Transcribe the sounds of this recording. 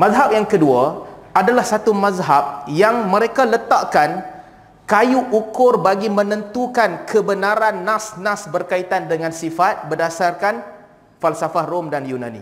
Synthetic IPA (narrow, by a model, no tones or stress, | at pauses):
mazɦap̚jaŋkəduaadalahsat̪umazɦap̚jaŋmə̃ɾekalət̪aʔkan | kajuʔukʊrbaɡimə̃nə̃nt̪ukankʰəbənaɾanːãsnãsbərkait̪andəŋãnsifat̪̚bərdasarkan | falsafahromdanjunã̰nḭ̃